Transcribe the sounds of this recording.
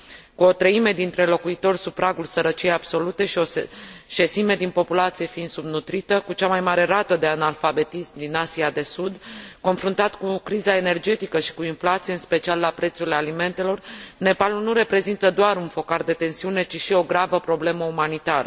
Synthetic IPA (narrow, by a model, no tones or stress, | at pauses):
kuo̞t̪ɾəime̞d̪int̪ɾe̞lo̞kuit̪o̞rʲsupɾaɡulsəɾət͡ʃijejab̥so̞lut̪e̞ʃio̞ʃe̞sime̞d̪inpo̞pulat̪sije̞fiind̪subnut̪ɾit̪əkut͡ʃamajmaɾe̞ɾat̪əd̪e̞analfabe̞t̪ismd̪inasiad̪e̞sud̪ko̞nfɾunt̪at̪kukɾizae̞ne̞rd͡ʒe̞t̪ikəʃi̥kuinflat̪sieɨnspe̞t͡ʃialːapɾe̞t̪suɾilealime̞nt̪e̞lo̞rne̞palulnuɾe̞pɾe̞zint̪əd̪oaɾunfo̞kard̪e̞t̪e̞nsiune̞t͡ʃiʃio̞ɡɾavəpɾo̞ble̞məumanit̪aɾə̰